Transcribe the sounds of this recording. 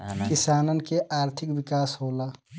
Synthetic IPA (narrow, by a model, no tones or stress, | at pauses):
kɪsaːnənkeʔaːɾt̪ʰɪkwɪkaːsɦoːla